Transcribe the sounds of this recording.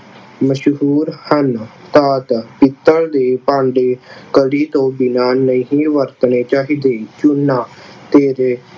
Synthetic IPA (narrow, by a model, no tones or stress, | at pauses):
məʃɦuːɾhənt̪aːt̪pɪt̪ːəld̪eːpãːɳɖeːkəɽiːt̪õːbɪnaːnəĩɦĩːʋəɾt̪neːt͡ʃaːɦiːd̪eːt͡ʃʊnːaːt̪eːɾe